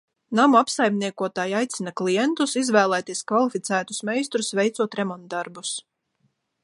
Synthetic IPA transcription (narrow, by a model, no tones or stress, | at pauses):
namuapsajmniɛkuɔt̪aːjajt̪sinaklijɛnt̪usizvæːlˠæːt̪iɛskvalˠifit̪sæːt̪usmɛjst̪ɾusvɛjt̪suɔt̪ɾɛmɔnt̪̚d̪aɾbus